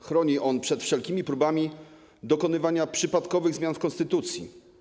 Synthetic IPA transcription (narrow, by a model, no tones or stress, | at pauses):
xɾɔɲiʔɔnpʂɛt̪fʂɛlkʲimʲipɾubamʲi | d̪ɔkɔnɘvaɲapʂɘpat̪kɔvɘɣzmʲjanfkɔ̃nst̪ɘt̪ut̪sʲjḭ